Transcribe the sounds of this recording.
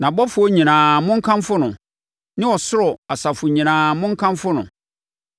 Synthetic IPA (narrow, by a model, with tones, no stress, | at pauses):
nã˨bɔ˦fʊ˨˦o˦ɲĩ˨nãː˨mʊ̃˦ŋ̩˦kʰã˦mfʊ˦nʊ̃˨ | nɪ̃˦ɔ˨sʊ˦ɾɔ˨a˨sa˨fʊ˨ɲĩ˨nãː˨mʊ̃˦ŋ̩˦kʰã˦mfʊ˦nʊ̰̃˨